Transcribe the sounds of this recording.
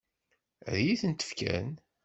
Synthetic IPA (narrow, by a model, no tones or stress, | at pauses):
ðjiθənt̪ə̥fkæ̰n